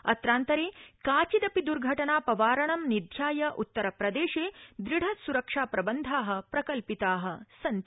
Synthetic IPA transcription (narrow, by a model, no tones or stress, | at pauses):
ɐ̰t̪ɾaːnt̪ɐɾeːkaːt͡ʃid̪ɐpid̪uɾɡʱɐʈɐnaːpɐʋaːɾɐɳɐmnid̪ʱjaːjɐʔut̪ːɐɾɐpɾɐd̪eːʃeːd̪ɾiɽ̤ʱɐsuɾɐkʂaːpɾɐbɐnd̪ʱaːɦɐ̆pɾɐkɐlpit̪aːɦɐ̆sɐn